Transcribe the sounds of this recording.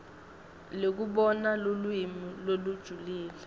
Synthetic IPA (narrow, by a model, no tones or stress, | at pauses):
lek̬uɓɔnalulwimilolud̥ʒ̥ʱuliːlɛ